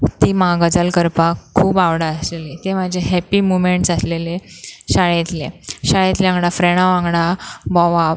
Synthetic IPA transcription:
t̪iːmaɡəd͡zəlkəɾpakʰːuːbaʋɽaəslelet̪emad͡ʑʱeɦɛpiːmumeɳʈsasleleɕaɭet̪lḛɕaɭet̪leãŋɡɽafɾeɽ̃ãʋãŋɡɽabɔʋa

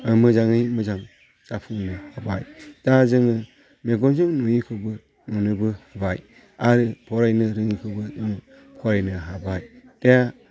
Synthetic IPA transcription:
ɯmɯzaŋɯjmɯzaŋ | z̥apʰɯŋnɯhaba̰jd͡ʒazɯŋɯ | meɡɔnzɯŋnujikʰɯbɯ | ŋɯnɯbɯhɯbaj | aɾɯpʰɔɾajnɯɾɯŋikʰɯbɯzɯŋ | pʰɔɾajnɯɦabajd̥ea

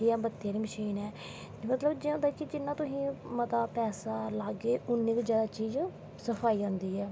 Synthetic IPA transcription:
iãːbət̪ːeːɾiːməʃiːnɛː | mət̪ləbd͡ʒɪãːd̪aːkɪd͡ʒɪnːãːt̪ʊsĩːmət̪aːpɛːsaːlaːɡeːʊnːiːkːzaːd̪aːt͡ʃiːz | səfʰaːiːãːnd̪iːɛː

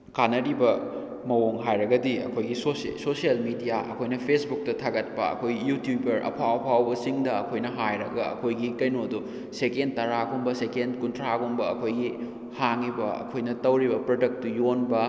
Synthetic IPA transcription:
kanːɐɾibɐ | mɐwoŋɦajɾɐɡɐdiɐ̰kʰojɡisossosijɐlmidijaʔɐ̰kʰojnɐpʰesbuk̚tɐtʰaɡɐt̚pɐ̰ɐ̰kʰojjutjubɐɾɐ̰pʰawɐpʰawbɐsiŋdɐːkʰojnɐɦajɾɐɡɐɐ̰kʰojɡikɐjnodu | sekend̚tɐɾaɡumbɐsekendkuntʰɾaɡumbɐɐkʰojɡi | haŋibɐɐ̰kʰojnɐtɐwɾibɐpɾodɐk̚tujonbɐ

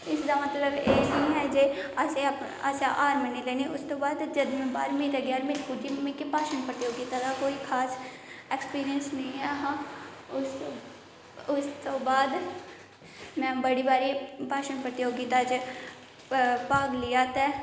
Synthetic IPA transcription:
ɪsd̪amɐt̪ləbeːnɐĩɦɛd͡ʒeaseɐp | ɐ̰saʔaːɾmənileːniʔʊst̪obaːd̪d͡ʒɐd̪mẽbaːɾmit̪ɛɡjaːɾmɪlkʊd͡ʒimẽkipaːʃənpɾət̪ijoːɡit̪ad̪ʰakoːikʰaːsekspiːɾijənsnɐĩɛɦa | ʊs | ʊst̪obaːd̪ | mɛ̃bɐɽibaːɾipaːʃənpɾət̪iɦoːɡit̪ad͡ʒ | paːɡlijaːt̪ɛː

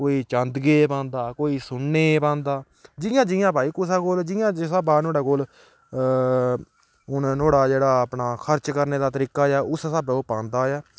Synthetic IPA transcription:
koːiːt͡ʃə̃nd̪ɡeːpãːnd̪aːkoːiːsʊɳːeːpãːnd̪aː | d͡ʒɪjãːd͡ʒɪjãːpaːiːkʊsaːkoːld͡ʒɪjãːd͡ʒsabaːnoːɽaːkoːl | ʊnnoːɽaːd͡ʒeːɽaːəpnaːkʰəɾt͡ʃkəɾneːd̪aːt̪əɾiːkaːjaːʊssəboːpãːnd̪aːjaː

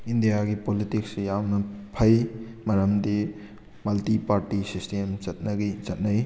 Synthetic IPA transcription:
indijaɡipolitiksjawnɐpʰɐj | mɐɾɐmdi | mɐltipaɾtisistemt͡ʃɐt̚nɐɡit͡ʃɐt̚nɐj

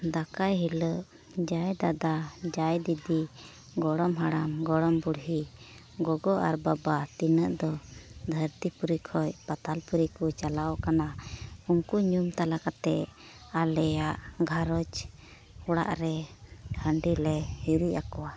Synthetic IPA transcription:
d̪akajɦiləʔ | d͡ʒajd̪ad̪ad͡ʒajd̪id̪i | ɡɔɽɔmɦaɽamɡɔɽɔmbuɽɦi | ɡɔɡɔʔa̰ɾbabat̪inəʔd̪ɔd̪ʱəɾt̪ipuɾikʰɔjpat̪alpuɾikut͡ʃalaɔkanauŋkuɲumt̪alakat̪ɛ | alɛjaʔɡʱaɾɔd͡ʒ | huɽa̰ʔɾɛ | əɳɖilɛhiɾujakɔwa

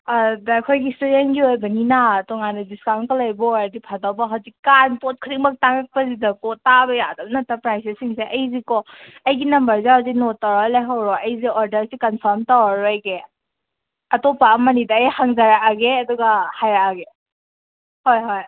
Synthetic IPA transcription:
adakʰojɡistuɾenɡiojbɐninatɔŋanɐdiskawnkɐlajbɔjadipʰadawbɐɦawzikːanpot̚kʰiɾik̚mɐk̚taŋak̚pɐzidɐkɔtabɐjadɐbnɐtapɾajsisiŋseʔɐjzikɔɐjɡinɐmbɐɾzehawzik̚notawɾjlajɦawɾɔɐjziɔɾdɐɾsikɐnpʰɐɾmtawaɾɔjɡe | ɐtopaːmɐnidɐːjhaŋzaɾaaɡeɐduɡahajaaɡe | hojɦoj

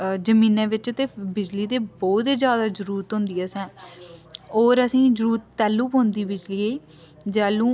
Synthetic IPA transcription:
d͡ʒəmĩːnɛ̃ːʋɪt͡ʃt̪eːbɪd͡ʒliːd̪eːbɔːt̪eːd͡ʒjaːd̪aːzəɾuːɾət̪ɦʊ̃nd̪iːɛːsɛ̃ː | oːɾəsĩːzəɾuːɾt̪ːɛːlːũːpõːnd̪iːbɪd͡ʒliːeiː | d͡ʒɛːlũː

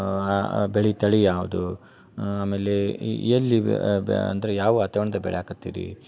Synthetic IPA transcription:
beɭit̪ɐɭijaːʋud̪u | aːmeːleɐlːiɐ̰nd̪ɐɾejaːʋuat̪ɐʋɐɳɐd̪ɐbɛ̰ɭeaːkut̪ːḭːɾḭ

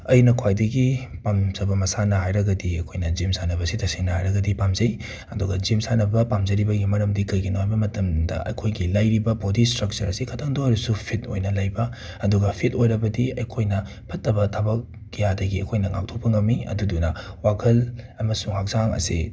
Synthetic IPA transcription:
ɐjnɐkʰwajdɐɡipamzɐbɐmɐsanɐɦajɾɐɡɐdiɐkʰojnɐzimsanɐbɐsitɐseŋnɐɦhajɾɐɡɐdipamzɐj | ɐduɡɐzimsanɐbɐpamzɐɾibɐɡimɐɾɐmdikɐjɡinoajbɐmɐtɐmdɐ̰ʔɐ̰jkʰojɡilajɾibɐpodistɾɐk̚t͡ʃɐɾɐsikʰɐtʰaŋdoɐɾusupʰit̚o̰jnɐlajbɐ | ɐduɡɐpʰitojɾɐbɐdiɐjkʰojnɐ | pʰɐtːɐbɐtʰabɐk̚ː | ijadɐɡiɐ̰kʰojnɐŋa̰k̚tʰopɐŋɐmːiɐ̰dudunɐwakʰɐlɐmɐsuŋhak̚zaŋɐ̰sḭ

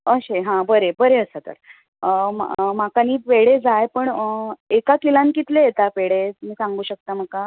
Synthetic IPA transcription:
əɕeɦãbəɾebəɾeəsat̪ə̰ɾ | makaniːpeɽed͡zajpəɳekakilãnkit̪lejet̪apeɽemiːsãŋɡuːɕək̚t̪aməka

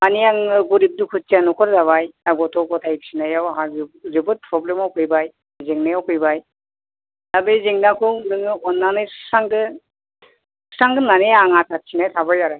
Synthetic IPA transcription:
aniaŋɯɡuɾib̚dukʰut͡ʃianɔkʰɔɾzaβajaɡɔtɔkɔtʰajpsinajawɦaɾibɯt̚pʰɾɔblemawkʰɯjbaj | zeŋnajawkʰɯjbaj | abejzeŋnakʰɯnɯŋɯɔnːanɯjssaŋdɯ | ssaŋdɯnanejaŋatʰat̚sʰinajtʰabajaɾaj

